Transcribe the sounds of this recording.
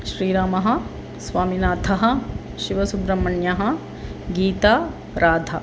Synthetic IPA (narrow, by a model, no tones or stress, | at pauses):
ʃɾiːɾaːmɐɦɐ̆ | sʋaːminaːt̪ʰɐɦɐ̆ | ʃiʋɐsubɾɐmːɐɳjɐɦɐ̆ | ɡiːt̪aː | ɾʔaːd̪ʱɐ̰